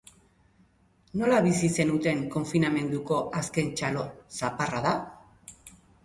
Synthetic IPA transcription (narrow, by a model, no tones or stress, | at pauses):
no̞laβisise̞nut̪e̞ŋko̞ɱfiname̞nd̪uko̞ʔaske̞nt͡ʃalo̞saparaða